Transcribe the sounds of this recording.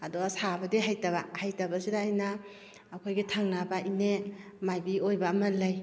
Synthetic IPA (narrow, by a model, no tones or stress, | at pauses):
aduasabɐdiɦajtaβahajtabasidaːjnaː | kʰojɡitʰaŋnabaʔine | majbiojbamɐlaj